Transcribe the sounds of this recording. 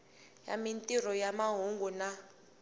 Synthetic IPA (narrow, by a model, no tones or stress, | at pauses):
ja̰mintʼir̤ɔjamaɦuŋɡuna